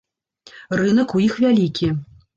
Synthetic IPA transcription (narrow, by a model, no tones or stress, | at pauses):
rɨnɐkujixvʲalʲikʲi